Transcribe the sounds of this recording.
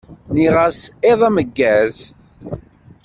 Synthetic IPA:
niʁəseðˤaməɡːæz

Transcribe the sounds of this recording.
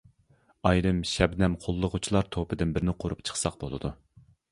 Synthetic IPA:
ɑjɾɨmʃɛbnɛmqʰolˠːʊʁʊt͡ʃʰilˠɑɾt̪ʰopʰɨd̪ɪnbɪɾnɪqʰoɾupt͡ʃʰə̥χsɑq̚bolˠɨ̰d̪u

